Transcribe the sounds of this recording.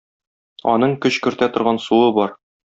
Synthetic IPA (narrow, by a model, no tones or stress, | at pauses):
ɒ̰nɤɴkɵɕkɵ̆ɾt̪æt̪ŏɾʁɑnsuɤbɒɾ